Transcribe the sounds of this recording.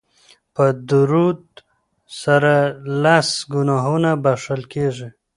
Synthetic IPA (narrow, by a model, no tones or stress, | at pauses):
pəd̪uɾud̪̚ | saɾalasɡunaɦunabaʂəlkeʐi